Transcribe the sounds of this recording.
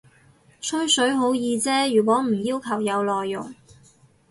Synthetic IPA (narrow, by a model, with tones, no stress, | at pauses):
t͡sʰɵ˥ɥsɵ˨˥ɥɦo˨˥wjiː˧t͡sɛː˥jyː˨˩k̬ʷwʷɔː˨˥m̩˨˩jiː˥wkʰɐ˨˩wjɐ˨˧wlɔː˨jːʊ̰˨˩ŋ